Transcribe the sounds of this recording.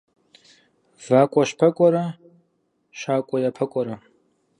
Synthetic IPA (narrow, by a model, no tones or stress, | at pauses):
v̥aːkʷʼɔʃpʰɐkʷʼɔɾɐ | ʃaːkʷʼɔjapʰɐkʷʼɔɾɐ